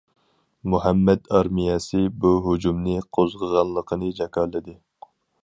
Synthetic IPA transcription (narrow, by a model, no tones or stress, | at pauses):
muɦɛmːɛd̪ɑɾmijɛsɨbuɦud͡ʒumnɨqʰozʁəʁɑnlˠəqʰənɨd͡ʒɛkɑlːɪd̪ɪ